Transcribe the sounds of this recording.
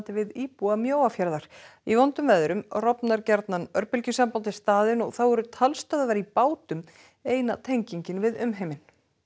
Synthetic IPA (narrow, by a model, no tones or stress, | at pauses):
t̪ɪvɪðiːpuamjoːwafjaɾðaɾ̥ivɔnt̪ʏmvɛðʏɾʏmrɔpnaɾcɛɾt̪nanœɾpʏlcʏsampawt̪̬ɪst̪aːðɪnɔɣθawɛɾʏt̪ʰalst̪aːðaðaɾipaːwt̪ʏm | eːjnat̪ʰejɲciɲcɪnvɪðʏmɦejmɪn